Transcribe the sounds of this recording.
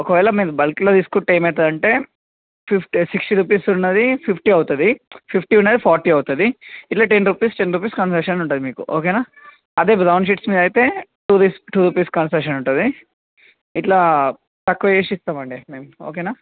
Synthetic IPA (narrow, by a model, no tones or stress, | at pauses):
ɔkɐʋɛːlɐmiːɾubɐlklod̪iskuʈːeːmɛːt̪ɐd̪ɐɳʈe̞ː | pʰipʰʈisiksʈiɾuːpiːsunːɐd̪ipʰipʰʈiɐwut̪ud̪ipʰipʰʈiːunːɐd̪ipʰaːɾʈiɐwt̪ud̪iiʈlaːʈenɾuːpiːsʈenɾuːp̬iːskɐnsɐʂɐnuɳʈuːd̪imiːkṵʔo̰ːkeːnaː | ɐd̪e̞ːbɾɐwnɖʃ̬iʈsmiːd̪ɐjt̪e̞ːʈuːɾisʈuːɾuːpiːskɐnsɐkʃ̬ɐnuɳʈud̪i | iʈlaː | t̪ɐkːɐeːʃist̪aːmɐɳɖime̞ːmuoːkenaː